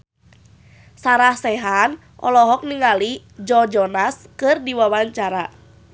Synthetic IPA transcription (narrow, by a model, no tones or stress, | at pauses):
saɾahsɛɦan | ʔɔ̰lɔɦɔk̚niŋali | d͡ʒɔd͡ʒɔnaskɨrdiwawaɲt͡ʃaɾa